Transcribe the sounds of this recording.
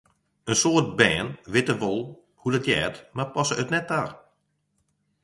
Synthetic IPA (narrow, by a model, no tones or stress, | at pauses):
ənsoːt̚bɛːnʋɪtəʋɔlˠ | hudətjɛːtmapɔsəətnɛt̚daːr